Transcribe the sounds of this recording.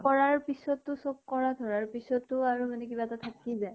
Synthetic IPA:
kɔɹaɹpisɔtːʊsob̚kɔɹadʱɔɹaɹpisɔtːʊaɹumanɛkibatatʰakizaj

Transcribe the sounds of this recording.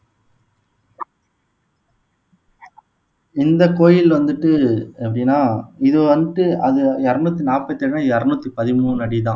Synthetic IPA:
ɪnd̪ɐkoːjɪlʋɐnd̪ɯʈːɯɛpːɐɽijnːaːɪðɯʋɐnd̪ɯʈːɯɐðɯɛɾɯnuːt̪ːinaːpːɐt̪ːɛɽnãɛɾnuːt̪ːipɐðɪmuːnɐɽit̪ãː

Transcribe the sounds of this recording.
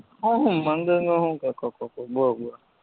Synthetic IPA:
ɔɦʊm̩man̩dɪnoɦʊŋ̩kakɔkɔkɔɡ͡bʊɔɡʷʊa

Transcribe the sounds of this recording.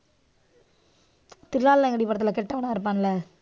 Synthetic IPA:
t̪ɪɾlaːllaɛŋɡɐɽipɐɽɐt̪̬ːɯlakɛʈːɐʋɐnãɪɾɯp̬ːaːnlɐ

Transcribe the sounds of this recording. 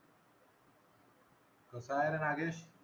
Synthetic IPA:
kosaːeɾɐnaːɡeɕ

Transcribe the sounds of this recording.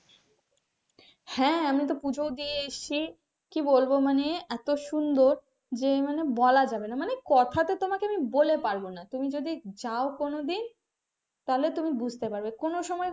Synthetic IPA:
hɛ̃amit̪opud͡ʑʱowd̪ijeeʃt͡ɕʰi | kibolbomaneɛt̪oʃund̪oɾ | d͡ʑemanebɔlad͡ʑabenamanekɔt̪ʰat̪et̪omakeamibolepaɾbonat̪umid͡ʑod̪id͡ʑaokonod̪in | t̪aɦolet̪umibud͡ʑʱt̪epaɾbekonoʃɔmɔe

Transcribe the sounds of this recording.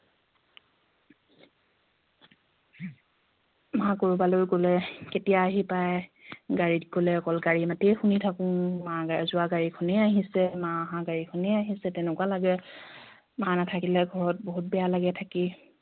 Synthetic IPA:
mãkoɹubalojkolɛketijaːɦipajɡaɹitɡolɛɔkɔlɡaɹimatejxunitʰakʊ̃maɡazʊaɡaɹikʰɔneaɦisɛmãaɦãɡaɹikʰɔneaɦisɛtɛnɛkwalaɡɛ | manatʰakilɛɡʱɔɹɔt̚boɦut̚bɛjalaɡɛtʰaki

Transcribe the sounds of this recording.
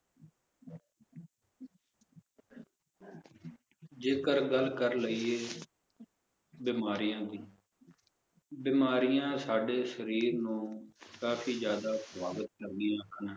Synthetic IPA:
d͡ʒeːkəɾɡəlkəɾləiːeː | bɪːmaːɾɪjãːd̪iː | bɪːmaːɾɪjãːsaːɖeːsəɾiːɾnũːkaːfʰiːd͡ʒjaːd̪aːsʋaːɡət̪̚kəɾd̪ɪjãːkʰənãː

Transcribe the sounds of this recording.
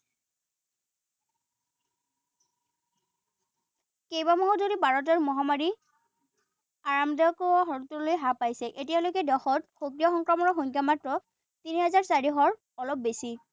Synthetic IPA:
kejbamɔɦɔzodibaɹɔt̬ɛɹmɔɦamaɹi | aɹamdɔkɔɔɦɔɹtɔlojɦapajsɛʔetijalojkɛdɔxɔtxokɹijɔxɔŋkɹamɔɹɔxoŋkjamatɹɔ | tiniɦɛzaɹsaɹiɦɔɹ | ɔlɔp̚besi

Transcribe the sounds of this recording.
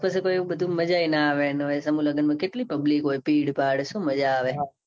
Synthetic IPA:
pəsekoːiɓəd̪ʱũməd͡ʒainaaʋenoesɐmũləɡənmãkeʈlipɐblikɦoːipiːɽpaːɽsũməd͡ʒaːʋe

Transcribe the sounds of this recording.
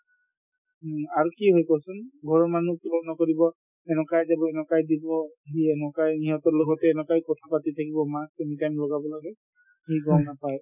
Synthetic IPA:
aɹukiɦojkɔsunɡʱɔɹɔɹmanukibɔnɔkoɹibɔ | ɛnɔkajzabɔɛnɔkajdibɔɦiɛnɔkajniɦɔtɔɹloɡɔtɛːnɔkajkɔtʰapatitʰakibɔmastunitajmlɔɡabɔlaɡɛ | hiɡɔnapaj

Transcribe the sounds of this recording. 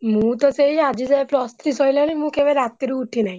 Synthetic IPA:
mũt̪ɔseiad͡ʑid͡zaplɔst̪ɾisɔjlɔnimũkebeɾat̪ːiɾiːʈʰinaɦi

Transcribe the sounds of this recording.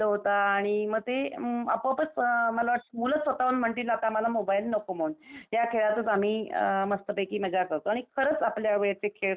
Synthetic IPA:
əɦot̪aːɽ̃iməɡ̚t̪eə̰pəpət͡sməlaʋaʈmulət͡ssʋət̪aʋənm̤əɳʈiːlaːt̪aməlamobailnəkom̤ounjakʰeɭat̪ət͡sam̤iːməst̪əpekiːməd͡ʑakəɾt̪oaɽ̃ikʰəɾət͡sapljaʋeɭjat͡sekʰeɭ

